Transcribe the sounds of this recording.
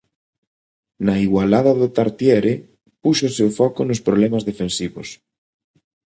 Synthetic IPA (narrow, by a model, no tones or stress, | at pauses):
naiɣwalaðɐðʊt̪aɾt̪jɛɾe | puʃʊːsewfɔkʊnʊspɾoβlɛmazðefensiβos